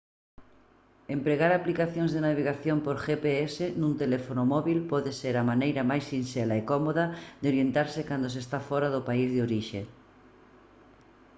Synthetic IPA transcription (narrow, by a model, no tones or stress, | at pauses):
empɾeɣaɾaplikaθjõŋzðenaβeɣ̞aθjompoɾxepeesenũnt̪elefonomɔβilpɔðeseɾamanejɾamajsːinselaekɔmoðaðeoɾjent̪aɾsɪkand̪osest̪afɔɾaðʊpaizðeoɾiʃe